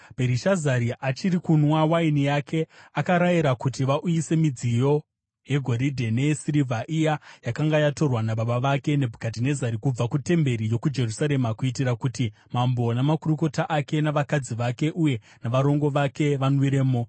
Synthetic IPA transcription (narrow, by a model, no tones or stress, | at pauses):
b̥ʱeɾiʃazaɾiʔat͡ʃiɾikunwawainijakʰe̞akaɾajiɾakutiʋaʔujise̞mid͡zijo̞ | je̞ɡʱo̞ɾidʱe̞ne̞siɾivʱaʔijajakaŋɡajato̞rwanaɓaɓaʋake̞ne̞bʱukat̬ine̞zaɾikub͡vakute̞mbe̞ɾijo̞kud͡ʒe̞rusaɾe̞makuitirakuti | mambo̞namakuruko̞taʔake̞naʋakad͡ziʋake̞ʔuje̞ | naʋaɾo̞ŋɡo̞ʋake̞ʋanwiɾe̞ːmo